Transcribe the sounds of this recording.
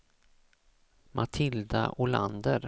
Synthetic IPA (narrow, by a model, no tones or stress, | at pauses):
mʔat̪ʰɪld̪aʔʊland̪əɾ